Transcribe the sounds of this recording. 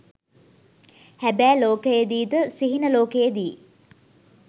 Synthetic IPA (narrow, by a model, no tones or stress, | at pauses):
hæbæːloːkəjəd̪iːd̪əsiɦinəloːkəjəd̪iː